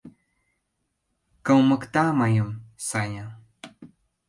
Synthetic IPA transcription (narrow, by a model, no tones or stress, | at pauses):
kəwməkt̪amajəmsaɲa